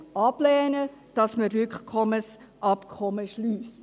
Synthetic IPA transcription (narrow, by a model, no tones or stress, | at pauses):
ɑblɛːnəd̥ɑsməɾʏkkʰɔməs | ʔɑpkʰɔməʃlyːst